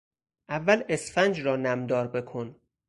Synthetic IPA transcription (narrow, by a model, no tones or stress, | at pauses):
ʔævːæle̞sfænd͡ʒrɒːnæmd̪ɒːɾbe̞kʰon